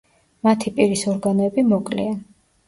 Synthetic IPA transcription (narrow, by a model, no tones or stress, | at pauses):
mat̪ʰipʼiɾisɔɾɡanɔɛbimɔkʼlḭan